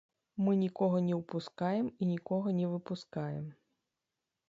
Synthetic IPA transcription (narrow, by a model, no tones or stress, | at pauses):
mɨnʲikɔɣɐnʲɛwpuskajɛminʲikɔɣɐnʲɛvɨpuskajɛ̰m